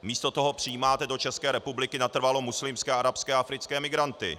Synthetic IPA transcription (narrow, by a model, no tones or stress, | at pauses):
miːst̪o̞t̪o̞ɦo̞pr̝̥ɪjiːmaːt̪ɛdo̞t͡ʃɛskɛːɾɛpublɪkɪnat̪r̩valo̞muslɪmskɛːʔaɾapskɛːʔafɾɪt͡skɛːmɪɡɾant̪ɪ̰